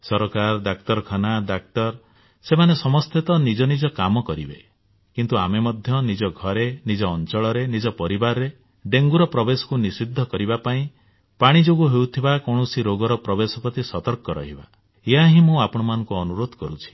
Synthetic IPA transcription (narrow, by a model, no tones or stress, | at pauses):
sɔɾɔkaɾɖakt̪ɔɾkʰanaɖak̚t̪ɔɾ | semanesɔmɔst̪ʰet̪ɔnid͡ʒɔnid͡ʒɔkamɔkɔɾibe | kint̪uamemɔd̪ʱjɔnid͡ʒɔɡʱɔɾenid͡ʒɔːnt͡ʃɔɭɔɾenid͡ʒɔpɔɾibaɾɔɾe | ɖeŋɡuɾɔpɾɔbesɔ̥kunisid̪ʱːɔkɔɾibapaĩ | paɽ̃id͡ʒoɡuɦewt̪ʰibakɔɽ̃ɔsiɾoɡɔɾɔpɾɔbesɔpɾɔt̪isɔt̪ɔɾkɔɾɔ̰ɦiba̰ | eɦaɦĩmũapɔɽ̃ɔmanɔ̃ŋkuɔnuɾod̪ʱɔkɔɾut͡ʃʰi̥